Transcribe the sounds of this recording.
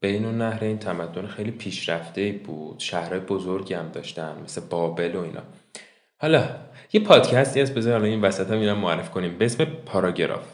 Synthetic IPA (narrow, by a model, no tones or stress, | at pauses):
b̥einonːæhɾeiːnt̪ʰæmæd̪ːo̞nexe̞jliːpʰiːʃɾæft̪e̞iːbuːd̪̥ʃæhɾɒːjebo̞zoɾɟiːhæmd̪ɒ̰ːʃt̪ænme̞seb̥ɒːbe̞lo̞iːnʔɒ̰ː | hɒlɒje̞pʰɒːd̪̥cʰæst̪iæsbezɒɾihɒlɒinvæsæt̪ʰæminæmːoæɾːefi̥kʰo̞niːmbeesme̞pʰɒɾɒɟeɾɒ̰f